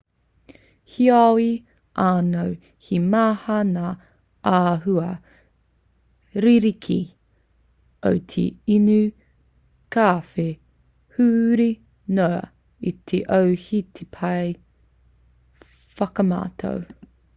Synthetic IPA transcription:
hiawi | ʔaːnow | himaːhɐnaː | ʔaːɦuɐ | ɾiɾikʰḭ | o̰wt̪ʰḛinʉ | kaːfe | hʉːɾi | noɐ̰ | it̪ʰeʔowhit̪ʰepʰɐj | fɐkɐma̰ːtʰo̰w

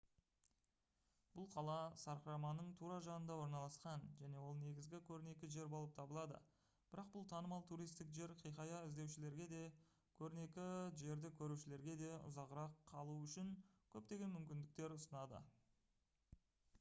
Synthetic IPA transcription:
b̥ʊlˠqʰɑlˠɑsɑɾqəɾɑmɑnəɴt̪ʰuɾɑʒɑnənd̪ɑwo̞ɾnɑlˠɑsqɑnʒæne̞wo̞lˠne̞ɡʲɪzɡʲɪkʲʰɵɾɪne̞kʲɪʒe̞ɾbo̞lˠəp̚t̪ʰɑbəlˠɑd̪ə̰ | b̥ɪɾɑq̚bʊlˠt̪ʰɑnəmɑlˠt̪ʰuɾijst̪ɪkʒe̞ɾqʰijqɑjɑɪzd̪e̞wʃɪle̞ɾɡʲe̞d̪e̞ | kʲʰɵɾɪne̞kʲɪʒe̞ɾd̪ɪkʲʰɵɾuʃɪle̞ɾɡʲe̞d̪e̞ʊ̰zɑʁəɾɑqʰːɑlˠuʏʃɪŋkʲʰɵp̚t̪e̞ɡʲe̞nmʏmkʲɪnd̪ɪk̚t̪e̞ɾʊsənɑd̪ə̰

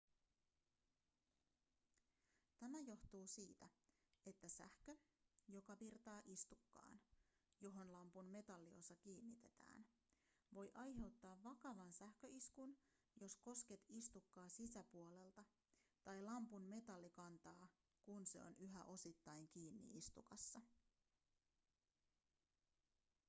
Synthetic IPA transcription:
t̪æmæjo̞ht̪uːsiːt̪æ | e̞t̪ːæsæ̰hkøjo̞kɑʋirt̪ɑːʔist̪ukːɑ̰ːn | jo̞ɦo̞nlɑmpunme̞t̪ɑlːio̞̰sːɑkiːnːit̪e̞t̪æ̰ːn | ʋo̞jʔɑjɦe̞wt̪ːɑːʋːɑkɑʋɑnsæhkø̞ʔiskun | jo̞sko̞ske̞t̪ist̪ukːɑːsisæpuole̞lt̪ɑ | t̪ɑjlɑmpunme̞t̪ɑlːikɑnt̪ɑː | kunse̞̰o̞̰nyɦæʔo̞sit̪ːɑjŋk̟iːnːḭist̪ukɑsːɑ

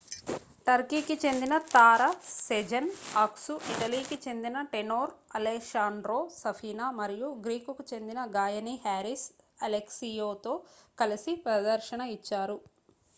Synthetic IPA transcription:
ʈɐɾkiːkit͡ʃe̞nd̪inɐt̪aːɾɐsed͡ʒɐnaːksuʔiʈɐliːkit͡ʃe̞nd̪inɐʈenoːɾɐleʃaːɳɖɾoːsɐpʰiːnaːmɐɾijuɡɾiːkukut͡ʃe̞nd̪inɐɡaːjɐnihaːɾis | ɐleksijoːt̪o̞ːkɐlɐsipɾɐd̪ɐɾʃɐɳɐit͡ʃːaːɾu

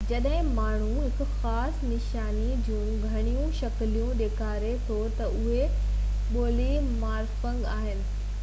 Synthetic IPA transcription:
d͡ʑɐɗɦɪ̃maːɳ̤uɦɪkʊxaːsnɪʃaːnid͡ʑũːɡʱɐɽ̃ijũʃɐklijũɗeːkʰaːɾet̪ʰot̪ɐʔʊɦe | ɓoːlimaːɾfɐ̃ŋɡaːɦɪnɪ̆

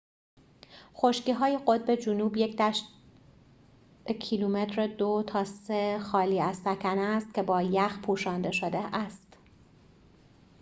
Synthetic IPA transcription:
xo̞ʃciːɦɒːjeɢo̞d̪̚be̞d͡ʒunuːbje̞cʰd̪æʃ | cʰilume̞t̪ʰɾed̪ot̪ʰɒːsexɒːliːæzsæcʰæneːst̪̚cʲʰe̞bɒːjæxpʰuːʃɒːnd̪e̞ʃod̪eʔæst̪

